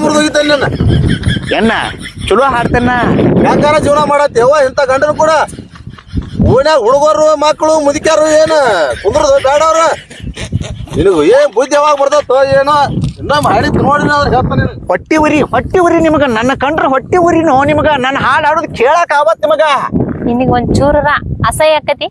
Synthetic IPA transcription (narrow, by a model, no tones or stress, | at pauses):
muɾd̪uːɡit̪ɐlːenːɐ | enːɐ̰t͡ʃuloɦaːɽt̪ɐnːɐaːkaːɾad͡ʒiːʋnamaːɽat̪ːeʋaint̪aːkɐɳɖɐnukuːɽɐ | uːnaːɦuɽuɡoːɾɾumaːkːɐɭumuðikʲjaːɾueːnkund̪ɾd̪ukaːɽoːɾe | ninɐɡueːnbud̪jaʋaːɡɐbɐɾd̪at̪oːeːnoinːomaːɽit̪inoːɽinɐd̪ɾɦeːɭt̪aninuhoʈːiʋuɾiɦoʈːiʋuɾinimɐɡɐnɐnːɐkɐɳɖnuɦoʈːiʋuɾinoːnimɐɡɐnɐnːɐɦaːɭaːɽuːd̪kʰeːɭaːkaːbɐt̪̚nimɐɡɐninːiɡond̪t͡ʃuːɾɐɾɐɐsɐjɐkːɐt̪i